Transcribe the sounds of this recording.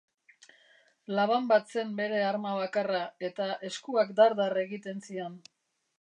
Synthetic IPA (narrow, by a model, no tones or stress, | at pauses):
laβ̞ambat̪se̞mbe̞ɾe̞aɾmaβ̞akarae̞t̪aʔe̞skuakd̪aɾðare̞ɣit̪e̞nsion